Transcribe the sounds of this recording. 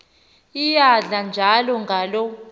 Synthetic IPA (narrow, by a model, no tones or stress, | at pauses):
ijaɮand͡ʒʱalɔŋɡʱalɔ